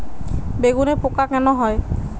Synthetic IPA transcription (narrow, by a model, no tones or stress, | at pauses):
beɡunɛpɔkakanɔɦɔj